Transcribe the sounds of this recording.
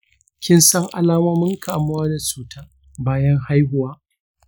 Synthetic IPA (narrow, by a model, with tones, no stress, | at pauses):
kʲɪ˦nsɐ˦ŋʔa̰˦laː˦moː˦mɪ˦ŋkaː˨mʊ˦waː˦da˨t͡ʃuː˨˦tʰaː˦ | baː˦jɐ˦ŋha˦jɦʊ˨waː˦